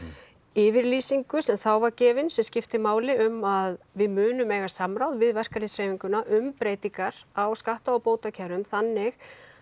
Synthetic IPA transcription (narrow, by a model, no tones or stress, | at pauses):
ɪːvɪɾliːsiŋkʏsɛmθawvaɾcɛːvɪnsɛmscɪft̪ɪmaːwlɪʏmað | vɪðmʏːnʏmeːjɣḁsamɾawðvɪðvɛr̥kaɾɪsfɾejviŋkʏnaʔʏmpɾeːjt̪iŋkaɾ̥awskaht̪aɔwpoːwt̪acʰɛɾʏmθanːɪx